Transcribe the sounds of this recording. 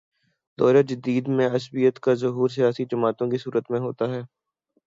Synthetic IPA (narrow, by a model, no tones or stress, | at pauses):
d̪ɔːɾad͡ʒəd̪iːd̪mẽɐsbijət̪kazɐɦuːɾs̬ijaːsid͡ʒɐmaːt̪õkisuːɾət̪mẽɦoːt̪aɦɛː